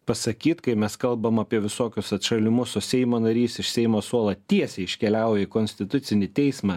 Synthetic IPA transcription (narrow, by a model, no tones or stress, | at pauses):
pɐsɐkʲiːt̪kɐɪmʲɛskɐlˠbɐmɐːpʲiɛʋʲɪsoːkʲʊsɐt̪ʃɐlʲɪmʊsʊsʲɛɪmoːnɐɾʲiːsɪʃsʲɛɪmoːsuɔlˠɐt̪ʲiɛsʲɛɪʃʲkʲɛlʲæˑʊjɛɪkoːnʲsʲt̪ʲɪt̪ʊt̪sʲɪnʲɪt̪ʲɛɪsmɑ